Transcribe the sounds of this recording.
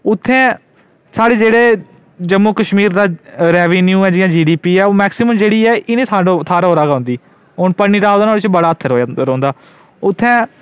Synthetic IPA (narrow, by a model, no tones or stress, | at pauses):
ʊt̪ʰːɛ̃ː | saːɽeːd͡ʒeːɽeː | d͡ʒəmuːkəʃmiːɾd̪aːɾɛːʋeːnjuːɛːd͡ʒɪjãːd͡ʒiːɖiːpiːɛːoːmɛːksɪməmd͡ʒeːɽiːɛːʔɪnẽːt̪ʰaːɖõːt̪ʰaːɾaːɦoːɾaːɡaːõʊːnd̪iː | oːnpəniːɾaːd̪ːnoːɽt͡ʃbəɽaːət̪ʰːəɾoːɾõːnd̪aː | ʊt̪ʰːɛ̃ː